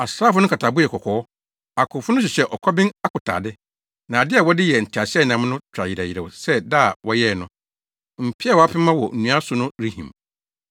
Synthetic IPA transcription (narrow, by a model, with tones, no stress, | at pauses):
a˨sɾaː˦fʊ˦nʊ̃˦kʰa˨tʰa˨bʊ˦ɛ˨kʰɔ˨kʰɔː˨ɔ˦ | a˨kʰʊ˨fʊ˦nʊ̃˦ɕ̬ɪ˨ɕɛ˦ʔɔ˨kʰɔ˦bɪ̃˦na˦kʰʊ˨tʰa̰ː˨dɪ˦ | nã˨dɪ˦a˨wɔ˦dɪ˦jɛ˨n̩˨tʰi˨a˨ɕɪ˦ɛ˦˨nã˨˦mnʊ̃˦t͡ɕʰᶣɾa˨ji˨ɾa˨ji˨ɾe˨wsɛ˦daː˦˨wɔ˦jɛ˦˨nʊ̃˦ | m̩˨pʰi˦a˦˨wɔ˨a˦pʰɪ˦mã˦wɔ˨n̩˨nũ˨˦a˦sʊ˦nʊ̃˦ɾi˦hḭ̃˨m